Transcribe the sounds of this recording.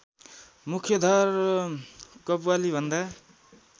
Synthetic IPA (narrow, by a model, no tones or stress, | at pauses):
mukʰjʌd̪ʱaɾ | kʌpwalibʱʌnd̪a